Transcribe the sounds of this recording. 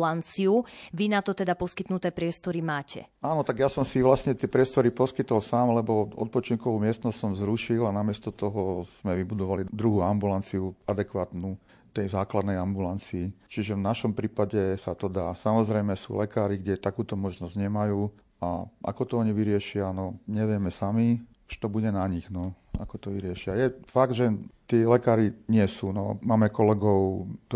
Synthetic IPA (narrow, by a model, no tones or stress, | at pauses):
lant͡siuʋinat̪ɔt̪ɛd̪apɔskit̪nut̪ɛːpɾɪɛst̪ɔɾimaːcɛ̰ | aːnɔt̪aɡjasɔmsiʋlasɲɛt̪ɪɛpɾɪɛst̪ɔɾipɔskit̪ɔlsaːmlɛbɔɔ̰t̪̚pɔt͡ʃiŋkɔʋuːmɪɛst̪nɔscsɔmzɾuʃilanamɪɛst̪ɔt̪ɔɦɔz̥mɛʋibud̪ɔʋalid̪ɾuɦuːambulant͡siuad̪ɛkʋaːt̪nu | t̪ɛjzaːklad̪nɛjambulant͡siːt͡ʃiʒɛʋnaʃɔmpɾiːpaɟɛsat̪ɔd̪aːsamɔzɾɛjmɛsṵːlɛkaːɾiɡɟɛt̪akuːt̪ɔmɔʒnɔzɟɲɛmajuː | a̰ʔa̰kɔt̪ɔɔɲiʋiɾɪɛʃɪanɔɲɛʋɪɛmɛsami | uʃt̪ɔbuɟɛnaɲiɣnɔ | a̰kɔt̪ɔʋiɾɪɛʃɪajɛfaɡd̪ʒɛt̪ɪɛlɛkaːɾiɲɪɛsuːnɔmaːmɛkɔlɛɡɔʊt̪